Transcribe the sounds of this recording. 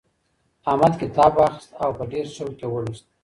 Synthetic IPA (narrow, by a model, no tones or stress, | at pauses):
ɑmad̪kɪt̪ɑbɑxɪst̪awpəɖeɾsowk̪ewəɽist̪